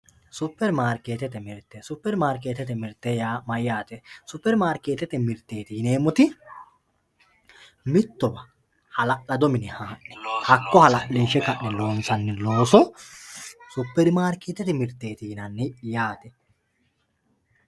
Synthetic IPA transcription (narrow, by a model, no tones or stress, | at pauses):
sʊpːɛɾmaːɾkeːt̪ɛt̪ɛmɪɾt̪ːɛsʊpːɛɾmaːɾkeːt̪ɛt̪ɛmɪɾt̪ːɛjaːmɐjːaːt̪ɛsʊpːɛɾmaːɾkeːt̪ɛt̪ɛmɪɾt̪ːeːt̪iːneːmɔt̪ɪ | mɪt̪ːɔbɐ | hɐlɐʔɐd̪ɔmɪnɪhaːʔɛ̥hɐkːɔhɐlɐʔiːʃɛkɐʔːɛloːnsɐnːɪlo̞ːsɔ | sʊpːɛɾmaːɾkːeːt̪ɛt̪ɪmɪɾt̪ːeːt̪iːnɐnːɪjaːt̪ɛ